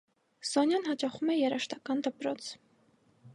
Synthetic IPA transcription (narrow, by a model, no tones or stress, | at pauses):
z̥ɔnjɑnɦɑt͡ʃɑχumɛjɛɾɑʃt̪ɑkɑnd̪əpɾɔt͡sʰ